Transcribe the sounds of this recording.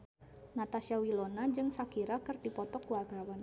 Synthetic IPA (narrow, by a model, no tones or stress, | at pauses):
nat̪aʃiawilonad͡ʒɨŋsakiɾakərdipɔt̪ɔkuwarɡawan